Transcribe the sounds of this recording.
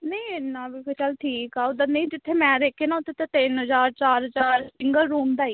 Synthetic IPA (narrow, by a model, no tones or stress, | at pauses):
nẽinaːbɪlkot͡ʃəlʈʰiːkaːod̪anə̃ĩːd͡ʒɪt̪ʰːeːmɛ̃ːd̪eːkʰːeːnaːʊt̪ʰːet̪at̪ɪnɦəzaːɾt͡ʃaːɾɦəzaːɾsɪŋɡəlɾuːmd̪aːiː